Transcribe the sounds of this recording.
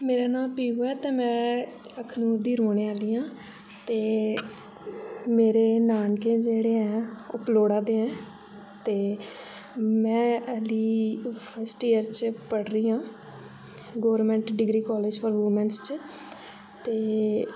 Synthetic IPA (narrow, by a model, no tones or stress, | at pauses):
meːɾaːnaːpiːɡoɛːt̪ẽːmɛ̃ː | əkʰnuːɾd̪iːɾoːɳẽːaːliːãː | t̪eː | meːɾeːnaːnkẽːd͡ʒeːɽeːɛ̃ːʊploːɽaːd̪eːɛ̃ː | t̪eː | mɛ̃ːəliːpʰəsʈiːəɾt͡ʃpəɽɾiːãː | ɡoːɾmɛ̃ːɳʈɖɪɡɾiːkɔːleːd͡ʒfʰɔːɾʋuːmɛ̃nst͡ʃ | t̪eː